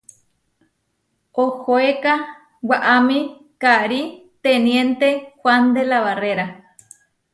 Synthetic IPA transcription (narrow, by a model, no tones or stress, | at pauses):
ohoeka | waʔamĩ | kaɾit̪enjent̪ehwand̪elaβareɾa